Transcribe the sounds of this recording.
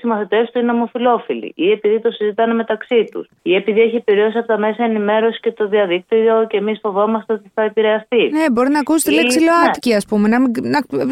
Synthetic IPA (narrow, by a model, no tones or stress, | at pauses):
simɐθit̪est̪uineomo̞filo̞filḭʔie̞piðit̪o̞sizit̪ɐneme̞t̪ɐksit̪ṵsie̞piðieçiepiɾio̞siɐpot̪ɐme̞sɐenime̞ɾo̞si̥ce̞t̪o̞ðiɐðik̚t̪ioiocemisfo̞vo̞mɐst̪e̞o̞t̪iθɐepiɾe̞ɐst̪inebo̞ɾinɐkuse̥t̪eleksiloɐt̪ciɐspumenɐminɐ